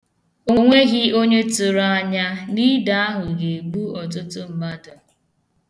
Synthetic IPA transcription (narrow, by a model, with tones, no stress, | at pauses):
o˦ŋʷe˦ɣɪ˦o˦ɲe˦tʊ˨ɾa˦ɲa˦ni˦da˦a˦ɦʊ˨ɡe˨ɡ͡bu˦ɔ˨t̬ʊ˦tʊ˦m̩˨ma˦dʊ˨